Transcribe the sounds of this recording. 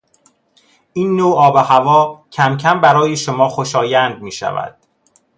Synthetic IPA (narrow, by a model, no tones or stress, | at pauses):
ʔiːnːoːɒːbehævɒːcʰæmcʰæmbæɾɒːjeʃomɒːxoʃɒːjænd̪̚miːʃæ̰væ̰d̪̥̚